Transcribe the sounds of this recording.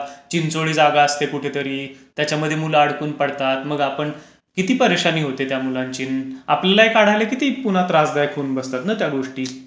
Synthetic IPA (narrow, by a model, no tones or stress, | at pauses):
t͡ɕint͡soɭiːd͡zaɡaəst̪ekuʈʰet̪əɾiːt̪jat͡ɕaməd̪ʱːjemulaːɽkuːnpəɽt̪at̪məɡapəɳ | kit̪iːpəɾeʂaniːɦot̪et̪jamulãɲt͡ɕiːnapljalaekaɽ̤ajlekit̪iːpunat̪ɾad͡zd̪ajkʰoːnbəst̪at̪nat̪jaɡoʂʈiː